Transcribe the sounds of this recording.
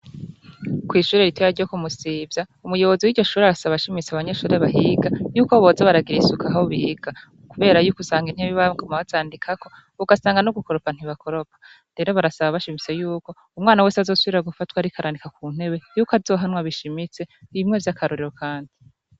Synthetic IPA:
kwiːʃuːɾe̞ɾitʰejaɾɟokumusiːvjaumujo̞βo̞ziwiːdɟo̞ʃuːɾeaɾasaβaʃimit͡seaβaɲe̞ʃuːɾeβaɦiɡajuːkoβozaβaɾaɡiɾisukaɦoβiɡ̥a | kuβe̞ːɾajuːkusaːŋɡin̥eβiβaŋɡomaβazaːndikʰako̞ | uɡasaːŋɡanoɡuko̞ɾopan̥hiβako̞ɾopʰḁ | ɾe̞ːɾo̞βaɾasaβaβaʃimit͡se̞juːko̞ | umŋaːnawe̞ːseazo̞ːsuβiɾaɡufatwaɾikʰaɾanikakuːn̥e̞βe̞juːkazo̞ːɦanwaβiʃimit͡se̞βimŋe̞vjakʰaɾuɾiɾo̞kʰaːndi

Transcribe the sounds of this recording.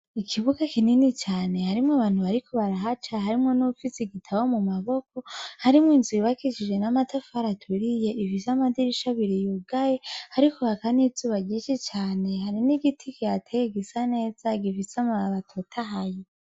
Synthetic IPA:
ikʰiβuɡakininit͡ʃaːne̞haɾimŋoaβaːn̥huβaɾikʰoβaɾaɦat͡ʃaɦaɾimŋo̞nufisiɡitʰaβomumaβo̞k̚o̞haɾimŋinziβakiʃid͡ʒenamatafaɾatʰuɾije̞ʔifisamadiɾiʃaβiɾijuɡajehaɾikohakanizuβaɡiʃit͡ʃaːne̞ɦaɾiniɡitʰikijatʰejeɡisane̞ːz̥aɡivisamaβatʰotʰaɦaje

